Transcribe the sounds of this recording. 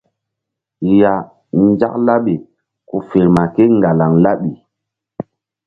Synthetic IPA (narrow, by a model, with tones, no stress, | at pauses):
ja˨ | n˦d͡ʒa̰˦k̚la˦ɓe˨ | ku˨fe˨ɾma˨ke˦ŋɡa˨la˨ŋla˦ɓi˨